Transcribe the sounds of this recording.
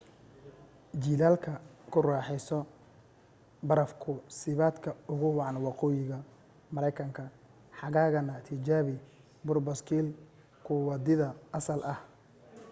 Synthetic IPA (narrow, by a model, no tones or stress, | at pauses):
d͡ʒiːlaːlkʰɐkʰʊraːħɛjsɔ | bɐɾɐfkʰʊsɪβaːd̪kʰɐʊɣʊwɑʕɑnwɑqɔːjɪɣɐ | mɐɾɛjkʰɐŋkʰɐ | ħɑɣaːɣɐnɐt̪ʰɪd͡ʒaːβɪ | bʊrbɔskʰiːl | kʰʊwɑd̪ɪðɐɐsɐlʔɐh